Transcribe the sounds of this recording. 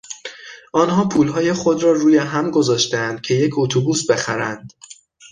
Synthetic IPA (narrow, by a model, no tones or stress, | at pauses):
ʔɒːnɦɒːpʰuːlɦɒːjeχod̪rɒːruːjeɦæmɡo̞zɒːʃt̪æænd̪̥̚cʰe̞je̞cʰot̪ʰobuːsbe̞xæɾænd̪̥